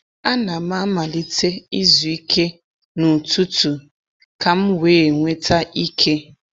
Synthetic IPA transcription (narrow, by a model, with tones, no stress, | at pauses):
a˦na˨ma˦ma˨li˦tʰe˦i˦zu˨i˦kʰe˦ | nu˨tu˦tu˨ | ka˨m̩˦weː˨˦˨ŋʷe˦ta˦ʔi˦kʰe˦